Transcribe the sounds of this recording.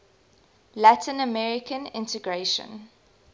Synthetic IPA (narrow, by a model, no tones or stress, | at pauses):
latʰɪ̃nəmɛɹɪkʰə̃nɪ̰̃ntəɡɹeʃə̰̃n